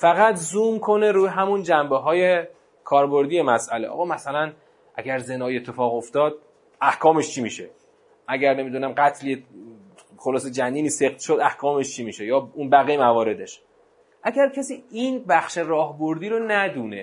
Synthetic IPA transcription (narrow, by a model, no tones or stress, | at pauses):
fæɣæt̪ʰzuːmkʰo̞ne̞ɾuːjɦæmund͡ʒæmbeɦɒːje̞ | kʰɒːɾbo̞ɾd̪ijemæsʔæleʔɒ̰ːɣɒːmæsælæn | ʔæ̰ɟæɾze̞nɒːjie̞t̪ʰːe̞fɒːɣo̞ft̪ɒːd̪̥̚ | æhkʰɒːme̞ʃt͡ʃʰiːmiːʃe | ʔæɟæɾne̞mid̪uːnæmɢæt̪ʰlie | xolɒːse̞d͡ʒænd̪iːniːse̞qt̪ʃod̪æhkʰɒːme̞ʃt͡ʃʰiːmiːʃejɒːunbæɣimævɒːɾe̞d̪eʃ | ʔæɟæɾcʰesiːinbæxʃerɒːhbo̞ɾd̪iːɾonæd̪uːne̞